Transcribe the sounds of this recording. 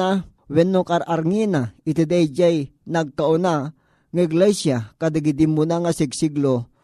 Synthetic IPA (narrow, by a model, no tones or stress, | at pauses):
a | wɛnːokaɾaɾŋinait̪ed̪ajd͡ʒajnaɡ̚kaʊna | ŋaiɡlɛsjakad̪aɡid̪imːunaŋasɪɡsiɡlo